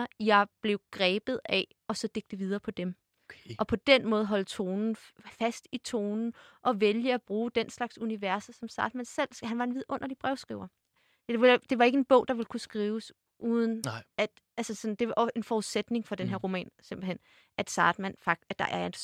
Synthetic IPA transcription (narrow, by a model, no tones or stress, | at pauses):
ɐjɑ̈ɪb̥le̝ʊɡ̥ʁɛːb̥ð̩ˠɛ | ɒ̽sɒ̽d̥e̝ɡ̥d̥əʋið̞ˠɐːpʰɒ̽d̥em | ʔɒ̽pʰɒ̽d̥enmɔ̽ːð̞̩ˠɦɒ̽l̰t͡sʰo̝ːnn̩fæsd̥it͡sʰo̝ːnn̩ʔɒ̽ʋeljəæb̥ʁuːd̥enslɑ̈ɡ̥suniʋæɐ̰sɐsɒ̽msɑ̈ːd̥mænsel̰sɦænʋɑ̈e̝nʋið̰ˠʔɔ̽n̰ʔɐd̥ib̥ʁɛʊsɡ̥ʁiʊ̰ɐ̥ | eʋd̥e̝ʋɑ̈e̝ɡ̥əe̝nb̥ɔ̽ʊ̰d̥ɑ̈ʋe̝lkʰusɡ̥ʁiːʊs | ʔuːðˠən̩æd̥ | ʔælsəsɒ̽n̩d̥e̝ʋɑʔɒe̝nfɒuðˠsed̥ne̝ŋfɒ̽d̥enɦeɐ̰ʁo̝mɛ̰ːnse̝mb̥l̩hen̰ | ʔæd̥sɑ̈ːd̥mæn̰fɑɡ̥̚æd̥ɑ̈ʔæɐen